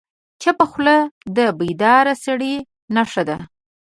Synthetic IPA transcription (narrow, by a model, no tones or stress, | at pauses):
t͡ʃapəxləd̪əbijd̪ɑɾasaɽi | naʂad̪a